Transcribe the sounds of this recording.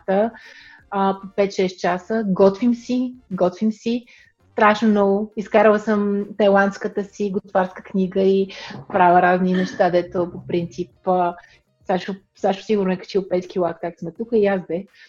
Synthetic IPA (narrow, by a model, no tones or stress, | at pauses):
t̪ə | əpopɛt̪ʃɛst̪̚t͡ʃasəɡɔt̪vimsiɡɔt̪vimsi | st̪ɾaʃnonɔɡʊiskaɾəlˠəsəmt̪ɐjlˠant̪skət̪əsiɡʊt̪vaɾskəknʲiɡəipɾavəɾazninɛʃt̪ad̪ɛt̪opopɾint̪sip | saʃo | saʃʊ̥siɡʊɾnʊɛkɐ̥t͡ʃilˠpɛt̪kʲilˠakakt̪smɛt̪ukəiazbɛ